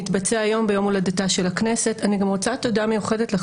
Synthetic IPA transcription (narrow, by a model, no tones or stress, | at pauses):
itbat͡seajo̞mbejo̞muladataʃe̞laknesetaniɡamʁot͡sat̪odamejuχe̞detle